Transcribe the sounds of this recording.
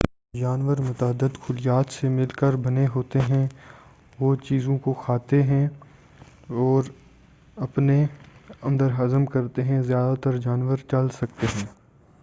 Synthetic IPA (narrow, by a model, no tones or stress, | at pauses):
d͡ʒaːnʋəɾmʊt̪əəd̪ːəd̪kʰʊlɪjaːt̪semɪlkəɾbɐneɦoːt̪eɦɛ̃ | ʋoːt͡ʃiːzõkoxʰaːt̪eɦɛ̃ | ɔːɾ | ɐpneɐ̃nd̪əɾɦɐzəmkɐɾt̪eɦɛ̃zjaːd̪at̪əɾd͡ʒaːnʋəɾt͡ʃɐlsɐk̚t̪eɦɛ̃ː